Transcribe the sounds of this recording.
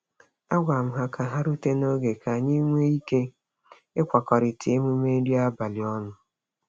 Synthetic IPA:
a˦ɡʷa˨m̩˦ɦa˦ka˨ɦa˦ɾu˦te˦no˦ɡe˨ka˨ɲi˦ŋʷe˦i˦ke˦ | ɪ˦kʷa˨kɔ˨ɾɪ˨tʰe˨˦mu˦me˦n̩˦ɾi˦a˦ba˨lɪ˨ɔ˦nʊ˨

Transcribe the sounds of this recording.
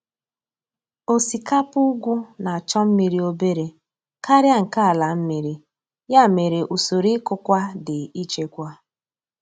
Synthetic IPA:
o˨si˨ka˦pʊ˦ɡʷu˦na˨a˨t͡ʃɔ˦m̩˦mi˨ɾi˨o˦be˦ɾe˨ | ka˦ɾja˦ŋ̩˨ka˦a˨la˨m̩˦mi˨ɾi˦ | ja˦˨me˨ɾe˨ʔu˨so˨ɾi˦kʊ˦kʷa˦dɪ˨i˦t͡ʃe˦kʷa˦

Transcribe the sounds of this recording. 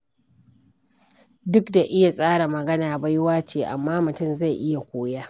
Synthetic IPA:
dʊ˦kda˨ʔɪ˦ja˨sʼaː˦ɽa˨mɐ˨ɡɐ˦naː˨ba˦jwaː˦t͡ʃeː˨ʔa̰˨mːaː˦mʊ˨tʊ˦˨mza˦˨jʔɪ˦ja˨kʷoː˦jaː˦

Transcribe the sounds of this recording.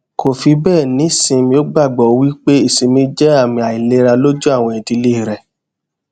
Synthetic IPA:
ko˨fi˧bɛ˦˨nĩ˨˦˨sĩ˧mĩ˧o˦ɡ͡ba˦˨ɡ͡bɔ˨wi˦k͡pe˦i˦˨sĩ˧mĩ˧d͡ʒɛ˦a˦˨mĩ˧a˨i˨le˨˧ɾa˧lo˦d͡ʒu˦a˦˨w̃ɔ̃˧˨ĩ˨ti˧le˦i˦˨ɾɛ˨

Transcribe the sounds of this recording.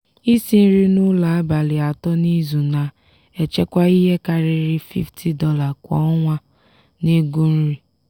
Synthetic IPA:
i˦si˦n̩˦ɾi˦nʊ˦la˨˦a˦ba˨lɪ˨a˨tɔ˦ni˦zu˨na˨ | e˨t͡ʃe˦kʷa˦i˦ɦe˦ka˨ɾɪ˨ɾɪ˦fḭ˦ftʰi˨dɔ˦la˨kʷɔ̰˦ɔ˦ŋʷa˦ | ne˦ɡu˦n̩˦ɾi˦

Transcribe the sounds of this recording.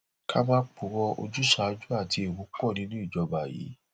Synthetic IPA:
ka˦mãː˦k͡pu˨˧wɔ˧o̰˧d͡ʒu˦ʃa˨˧˦d͡ʒu˦a˦˨tʰi˧e˨wu˨˦k͡pɔ˦˨nĩ˨˦nũ˦i˦˨d͡ʒɔ˧ba˨jḭ˨˦

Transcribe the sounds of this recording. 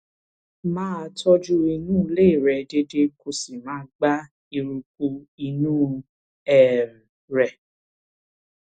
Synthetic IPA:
mãː˦˧˦tɔ˦d͡ʒu˦i˧nũ˦˨le˦i˦˨ɾɛ˨de˧de˦ko˧si˨mãː˨˦ɡ͡ba˦ | i˧ɾu˧k̚u˧i˧nũː˦ | ɛ˨m˨ | ɾɛ˨

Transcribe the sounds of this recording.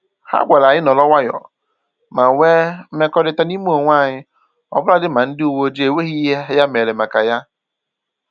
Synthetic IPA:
ha̰˦ɡʷa˨la˨ɲɪ˦nɔ˨lɔ˦wʷa˦jɔ̰˨ | ma˨ŋʷe˦m̩˦me˦kɔ˦dɪ˦ta˦ni˦m˦o˨ŋʷ˦a˦˨ɲɪ˦ | ɔ̰˦bʊ˦la˦dɪ˦ma˨n̩˦dɪ˦u˦˨wo˦d͡ʒe˨we˦ɣi˦ɦe˦ja˦me˨le˨ma˨ka˨ja˦

